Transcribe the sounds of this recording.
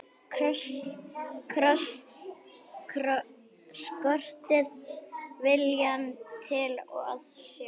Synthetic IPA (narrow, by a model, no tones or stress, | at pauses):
kʰɾɔs | skœr̥t̪ɪðvɪljant̪ʰɪlɔ̰ɣa̰t̪sja